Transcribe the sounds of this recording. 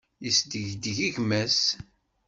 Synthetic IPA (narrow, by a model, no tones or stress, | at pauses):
jisd̪əʝd̪əʝiʝmæs